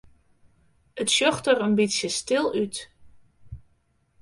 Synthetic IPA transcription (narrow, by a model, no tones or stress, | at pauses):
ətsjɔxtərənbitsjəstɪlˠyt